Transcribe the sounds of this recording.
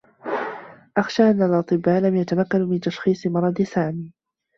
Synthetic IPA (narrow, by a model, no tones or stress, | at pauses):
ʔaxʃaːʔanːalʔɑt̪ˤɨbːaːlamjat̪amakːanmɪnt̪ɑʃxiːsˤɨmɑɾˤɑd̪ɪsaːmiː